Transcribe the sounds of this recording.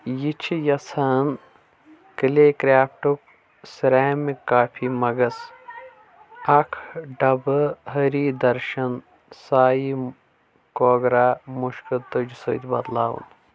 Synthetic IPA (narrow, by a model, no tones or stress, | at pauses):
jit͡ʃʰijɐsʰaːn | kɨleːkɾʲaːp̚ʰʈuk̚ | sɾaːmikaːpʰiːmɐɡɐs | ɐkʰɖɐbɦɐɾiːd̪ɐɾʃɐn | saːji | koːɡɾaːmuʃkət̪od͡ʒsojt̪bɐ̰d̪laːwṵn